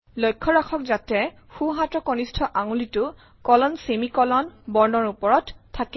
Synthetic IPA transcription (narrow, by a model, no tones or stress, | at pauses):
lojkʰːɔɹakʰɔk̚zatɛ | xuɦãtɔkɔnistʰɔʔaŋulitʊ | kɔlɔnsemikɔlɔnbɔɹnɔɹupɔɹɔtʰːakɛ